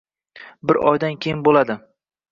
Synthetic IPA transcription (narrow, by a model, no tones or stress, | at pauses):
bɪɾɒ̰jd̪ankʲʰejɪnbolad̪ɪ